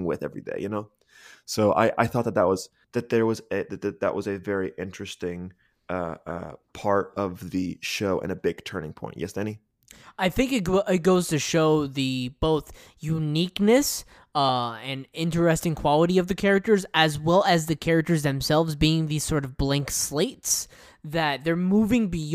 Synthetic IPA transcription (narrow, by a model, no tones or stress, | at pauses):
ŋwɪ̰ðɛ̰vɹḭdḛɪjɨnoʊ | soʊʔa̰ɪʔa̰ɪθɔt̪̚ðət̪̚ðət̚wʌz̥ | ðɨt̪̚ðə˞wʌzɨðɨðɨt̪̚ðə̰ʔwʌzɨvɛɹiʔɪ̃nt͡ʃɹ̥ɨstɪ̃ŋ | ʌʌ̰pʰɑɹɾʌvðɨʃoʊʔɨ̰̃ñɨbɪɡ̥̚tʰɜ̃˞nɪ̃ŋpʰɔ̰̃ɪ̃nʔjɛsd̥ɛñi | aɪθɪ̃ŋkɨt̚ɡʔɪt̚ɡ̥oʊz̥tʰɨʃoʊðɨb̥oʊθ | jʉniknɨs | ʌɨ̃nɪ̃ntə˞ɛstɪ̃ŋkʰw̥ɑlˠəɾiʌvðɨkʰɛɹɨk̚tə˞zɨzwɛlˠɨzðɨkʰɛɹɨk̚tə˞zðɨ̃msɛlˠvzbiɪ̃ŋðiz̥sɔɹɾʌvblæ̃ŋksleɪts | ðɨt̪̚ðə˞muvɪ̃ŋbi